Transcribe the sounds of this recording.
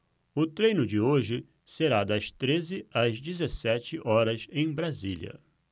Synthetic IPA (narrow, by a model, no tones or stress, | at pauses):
ʊt̪ɾẽjnʊd͡ʒɪoʒɪ | seɾad̪ɐst̪ɾezɪɐzd͡ʒɪzesɛt͡ʃɪʔɔɾɐsẽj̃bɾaziljɐ̰